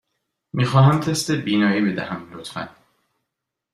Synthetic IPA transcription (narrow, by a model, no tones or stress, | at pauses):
miːxɒːɦæmt̪ʰest̪ebiːnɒːiːbe̞d̪æ̰hæmlot̪fæ̰n